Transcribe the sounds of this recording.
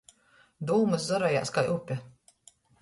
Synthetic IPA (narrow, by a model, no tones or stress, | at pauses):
d̪uːmɨs̬zaɾaja̰ːskajʔupʲa